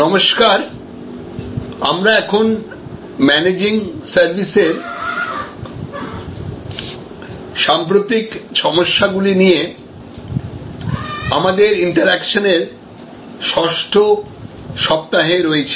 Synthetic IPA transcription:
nɔmoʃkaɾ | amɾaɛkʰon | mɛned͡ʑiŋsaɾbʱiseɾ | ʃampɾot̪ikʃɔmoʃːaɡulinije | amad̪eɾiɳʈaɾɛkʃoneɾ | ʃɔʃʈʰo | ʃɔp̚t̪aɦeɾoet͡ɕʰi̥

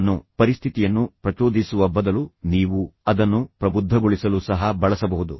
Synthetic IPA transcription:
nːupɐɾist̪ʰit̪ijɐnːupɾɐt͡ʃoːd̪ʱisuʋɐbɐd̪ɐluniːʋuɐd̪ɐnːupɾɐbud̪ʱːɐɡoɭisɐlusɐɦɐbɐɭɐsɐbɐɦud̪u

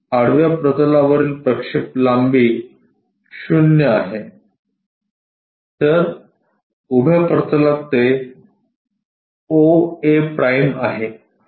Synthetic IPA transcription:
aɽ̤ʋjapɾət̪əlaʋəɾiːlpɾəkʂiplambiː | ɕunjəaɦe | t̪əɾ | ubʱjapɾət̪əlat̪ːe | oepɾʔajmaɦe

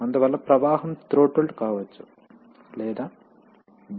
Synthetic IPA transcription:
ɐnd̪uʋɐlːɐpɾɐʋaːɦɐmt̪ɾoːʈoɭʈkaːʋɐt͡ʃːu̥ | lɛːd̪aː

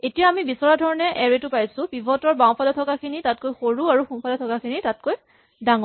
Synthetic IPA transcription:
etijaːmibisɔɹadʱɔɹɔnɛʔɛɹetʊpajsʊ̃pibʱɔtɔɹbaw̃pʰalɔtʰɔkakʰinitat̚kojxoɹuaɹuxumpʰalɔtʰɔkakʰinitat̚koj | daŋɔ

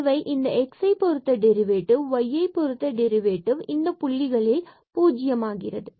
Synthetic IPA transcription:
ʋɐɪʔɪnd̪ɐɛksɐɪpɔɾɯt̪ːɐɖɛɾɪʋeːʈːɯʋʋɐjːɐɪpɔɾɯt̪ːɐɖɛɾɪʋeːʈːɯʋɪnd̪ɐpʊɭːɪɣɐɭɪl | puːd͡ʒɪjɐmaːɣɪrɐðɯ

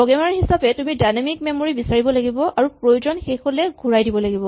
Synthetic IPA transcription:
ɔɡɛmaɹɦisapɛtumidajnamik̚memoɹibisaɹibɔlaɡibɔaɹupɹojuzɔnxexolɛɡʱuɹajdibɔlaɡibɔ

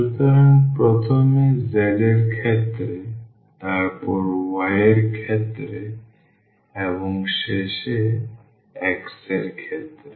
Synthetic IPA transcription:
ʃut̪oɾanpɾɔt̪ʰomezɛleɾkʰet̪ːɾe | t̪aɾpɔɾwaeɾkʰet̪ːɾe | eboŋʃeʃe | ɛkseɾkʰet̪ːɾe

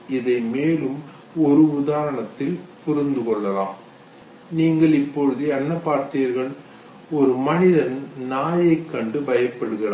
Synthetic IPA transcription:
ɪðɐɪmeːlɯm | ɔɾɯʊðaːɾɐɳɐt̪ːɪlpʊɾɪnd̪ɯkɔɭːɐlaːm | niːŋɡɐɭɪpːɔɻɯðɯɛnːɐpːaːɾt̪ijɐɾɣɐɭ | ɔɾɯmɐnɪðɐnnaːjɐɪkːɐɳɖɯbɐjɐpːɐɽɯɣɪraː

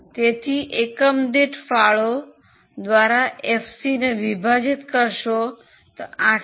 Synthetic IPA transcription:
t̪et̪ʰiʔekəmd̪iʈfaɭo | d̪ʋaɾaefsineʋibʱad͡ʒit̪kəɾʃo | t̪oã

